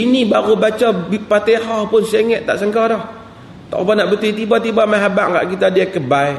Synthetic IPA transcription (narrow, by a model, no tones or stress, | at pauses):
inibaɣubat͡ʃɔbpat̪ehɔhpʊnseŋɛʔt̪a̰ʔsəŋkɔdɔh | t̪ɔ̰ʔbanaʔbət̪it̪ibat̪ibamaɦabaʔŋɡa̰ʔkit̪adiakəbai